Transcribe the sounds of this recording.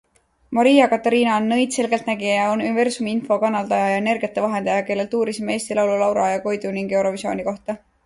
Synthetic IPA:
mɑɾiːjɑkɑt̪ːˑɑɾiːnɑnːɤjd̪̥se̞lɡe̞lt̪næɡ̥ijjɑonunive̞rsumiinfo̞kɑnːɑld̪ɑjɑjɑe̞ne̞rɡijɑt̪ːˑevɑɦe̞nd̪̥ejɑke̞lːe̞lt̪uːɾisimeeːsʲt̪ilɑwlulɑwɾɑjɑko̞jd̪uniŋɡ̥e̞wɾo̞visio̞̰ːnʲiko̞ht̪ɑ

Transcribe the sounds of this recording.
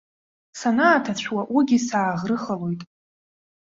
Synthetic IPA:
sanaːtʰat͡ɕʷwaʔuɡʲisaːʁrɨχalo̞jtʼ

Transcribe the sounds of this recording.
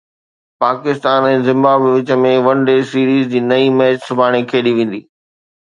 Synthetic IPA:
paːkɪst̪aːnɛ̃ːzɪ̃mbaːbʋɪt͡ɕə̆mẽʋɐ̃nɖeːsiːɾiːzd͡ʑiːnɐimɛːt͡ɕsʊbʱaːɽ̃ikʰeːɗiʋẽːn̆d̪iː

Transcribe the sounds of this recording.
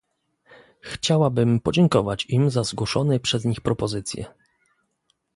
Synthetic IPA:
xt͡ɕawabɘmpɔd͡ʑɛŋkɔvat͡ɕimzazɡwɔʂɔnɛpʂɛzɲixpɾɔpɔzɘt̪sʲjɛ̰

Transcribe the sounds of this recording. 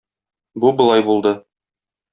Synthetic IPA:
bubɤ̆lˠɑjbulˠd̪ɤ

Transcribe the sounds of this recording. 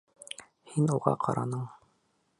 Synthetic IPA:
hinuʁɑ̰qʰɑ̰ɾɑ̰nɤɴ

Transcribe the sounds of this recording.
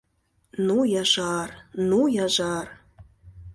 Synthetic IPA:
nujɑʒɑrnujɑʒɑr

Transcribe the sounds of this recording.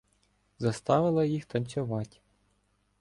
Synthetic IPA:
zɐst̪ɑʋɪlˠɐjixt̪ɐnʲt͡sʲʊʋɑtʲ

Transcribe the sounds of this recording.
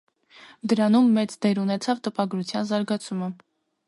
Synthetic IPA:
d̪əɾɑnumːɛt͡sd̪ɛɾunɛt͡sʰɑvt̪əpɑɡɾut͡sʰjɑnzɑɾɡɑt͡sʰumə

